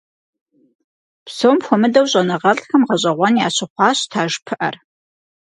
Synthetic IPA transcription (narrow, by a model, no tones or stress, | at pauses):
psowmxʷɔmɨdɐwɕʼɐnɐʁɐɮxɐmʁɐɕʼɐʁʷɔnjaːɕɪχʷɑːɕtʰaːʒpʰɨʔɐr